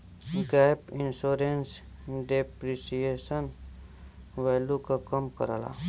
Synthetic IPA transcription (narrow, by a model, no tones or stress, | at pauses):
ɡɛːpɪnsoːɾens | ɖepɾisijesən | ʋɛːlukakəmkə̰ɾa̰ːla̰